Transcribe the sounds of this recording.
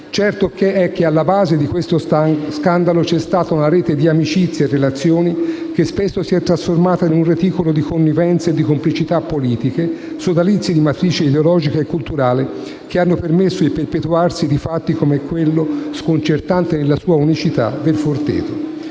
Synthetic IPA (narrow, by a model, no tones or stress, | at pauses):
t͡ʃɛrt̪okeɛkːealːabaːzed̪ikwest̪oskand̪alot͡ʃɛst̪aːt̪aunaɾɛːt̪ed̪iamit͡ʃit̪sːjerːelat̪sːjoːnik̟espesːosiɛt̪ːɾasformaːt̪ainunret̪iːkolod̪ikʰonːivɛnt̪sed̪ːikomplit͡ʃit̪apːoliːt̪ike | sod̪alit̪sːid̪imat̪ɾiːt͡ʃiid̪eolɔːd͡ʒikaekːult̪uɾaːle | k̟eanːopermesːod̪iperpet̪uarsid̪ifat̪ːikomɛkːwelːoskont͡ʃert̪ant̪enelːasuːaunit͡ʃit̪a̰d̪elfort̪ḛːt̪o